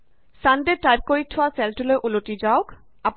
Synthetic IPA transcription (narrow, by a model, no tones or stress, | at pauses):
sandeʈajb̚koɹitʰɔwasɛlʈulojʔuloʈid͡ʑaʊk | ap